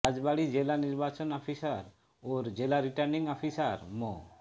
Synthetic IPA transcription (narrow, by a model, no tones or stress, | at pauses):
ad͡ʑbaɽid͡ʑelaniɾbat͡ɕonɔpʰisaɾ | oɾd͡ʑelaɾiʈaɾniŋɔpʰisaɾmo